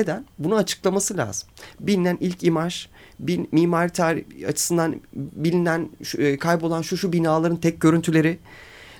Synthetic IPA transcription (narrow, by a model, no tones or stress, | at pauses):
e̞d̪ænbunuat͡ʃʰɯ̥klˠamasɯlʲa̰ːz̥ɯmbilʲinænilʲcimaʒ | binmiːmaːɾit̪ʰaːɾia̰t͡ʃʰɯ̥sɯnd̪anbilʲinænːkʰajpo̞lˠanʃuʃubinaːlˠaɾɯnt̪ʰɛc̚ɟø̞ɾynt̪ʰylʲe̞ɾɪ